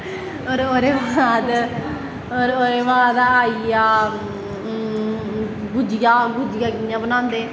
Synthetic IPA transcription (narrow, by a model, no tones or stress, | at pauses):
oːɾoːɾeːʋaːd̪ | oːɾoːɾeːʋaːd̪aːijaː | ɡʊd͡ʒɪjaːɡʊd͡ʒɪjaːkɪjãːbənãːnd̪eː